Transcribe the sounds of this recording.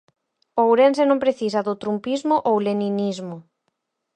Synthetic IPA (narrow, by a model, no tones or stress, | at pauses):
owɾensenõmpɾeθisɐðʊt̪ɾumpizmʊʔowleninizmʊ